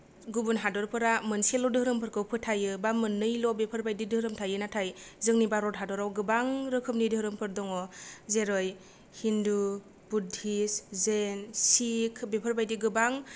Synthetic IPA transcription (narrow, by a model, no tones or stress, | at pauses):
ɡubunɦadɔɾpʰɯɾamɯnselɔdɯhɾɯmpʰɯɾkʰɯwpʰɯtʰajɯbamɯnːɯjlɔbepʰɯɾbajdidɯɾɯmtʰajɯnatʰajzɯŋnibaɾɔdɦadɔɾawɡɯbaŋɾɯkʰɯm̚nidɯhɾɯmpʰɯɾdɔŋɔzeɾɔj | hindu | b̥udʱiszensikʰbepʰɯɾbajdiɡɯbaŋ